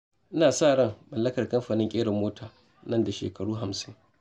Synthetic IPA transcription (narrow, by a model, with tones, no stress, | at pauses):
ʔɪ˦naː˨saː˦˨ɽɐ˦˨ŋmɐ˨lːɐ˦kɐ˨rkɐ˦mɸaː˨nɪ˦ŋkʲʼeː˦ɽɐ˨mːoː˦tʰaː˨ | nɐ˦˨nda˨ʃḛː˨kɐ˨ɽuː˦ɦa˨msɪ˦ŋ